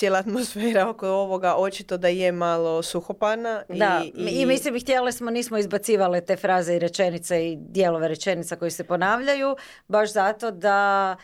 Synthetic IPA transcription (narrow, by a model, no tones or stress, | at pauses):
jelaːt̪mosfeːɾaokoo̞ʋoɡaʔo̞t͡ʃit̪o̞d̪aijemalo̞suxopanaid̪aimislimxt̪jelesmoniːsmoizbat̪siːʋalet̪e̞fɾaːzeiɾe̞t͡ʃe̞nit̪seid̪jelo̞ʋe̞ɾe̞t͡ʃe̞nit̪sako̞jise̞po̞naːʋʎaju | baʃzat̪o̞d̪a